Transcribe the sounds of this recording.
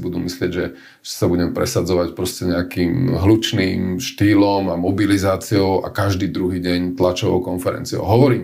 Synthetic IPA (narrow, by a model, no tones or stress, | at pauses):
bud̪umislɪɛɟʒɛ | sabuɟɛmpɾɛsad͡zɔʋacpɾɔscɛɲɛakiːmɦlut͡ʃniːmʃt̪iːlɔmamɔbilizaːt͡siɔʊʔa̰kaʒd̪iːd̪ɾuɦiːɟɛɲt̪lat͡ʃɔʋɔ̰ʊkɔnfɛɾɛ̰nt͡siɔ̰ʊɦɔʋɔɾiːm